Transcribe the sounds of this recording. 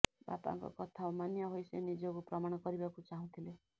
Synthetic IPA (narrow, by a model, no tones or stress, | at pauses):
ba̰pa̰ŋkɔ̰kʌt̪ʰaomanjaɦojsḛnid͡ʒɔkuprʌmaɽ̃ɔkʌɾibakut͡saɦũt̪ʰile